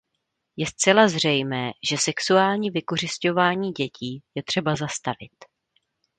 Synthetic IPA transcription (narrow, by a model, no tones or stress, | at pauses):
jɛst̪t͡sɛlazr̝ɛjmɛːʒ̥ɛsɛksuaːlɲiːvɪko̞r̝ɪsco̞vaːɲiːɟɛcʰiːjɛt̪r̥ɛbazast̪avɪ̰t̪